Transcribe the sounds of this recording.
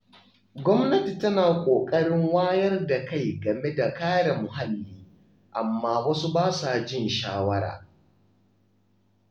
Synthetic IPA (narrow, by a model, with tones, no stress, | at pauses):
ɡʷɔ˦mnɐ˦ti˨tɐ˦naː˨kʷʼoː˨kʼɐ˦ɽɪ˦ŋwaː˦jɐ˦rda˨ka˦˨jɡɐ˨me˦da˨kaː˦ɽa˨mʊ˨ha˦lːiː˦ | ʔa˨mːaː˦wɐ˦su˦baː˦saː˨d͡ʒɪ˦˨nʃaː˦wɐ˦ɽa̰ː˨